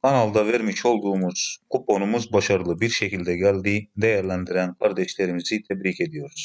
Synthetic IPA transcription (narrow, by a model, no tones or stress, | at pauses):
kʰanalˠd̪avɛɾmiʃo̞lˠd̪uːmuz̥kʰupo̞numuzbaʃaɾɯlˠɯbiɾʃecilʲd̪ɛɟælʲd̪iːd̪ejæɾlʲænd̪iɾænkʰaɾd̪ɛʃlʲe̞ɾimizit̪ʰɛbɾiːce̞d̪ijo̞ɾuz̥